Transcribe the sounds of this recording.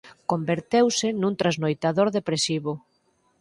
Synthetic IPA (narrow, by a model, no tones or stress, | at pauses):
kombeɾt̪ewsɪnũnt̪ɾaznojt̪aðoɾðepɾesiβʊ